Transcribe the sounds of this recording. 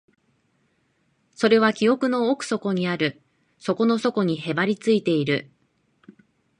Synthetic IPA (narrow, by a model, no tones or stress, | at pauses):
so̞ɾe̞β̞akʲio̞kɯ̟no̞ːkɯ̥so̞ko̞ɲ̟iaɾɯ̟ | so̞ko̞no̞so̞ko̞ɲ̟ihe̞baɾʲit͡sɨit̪e̞iɾɯ̟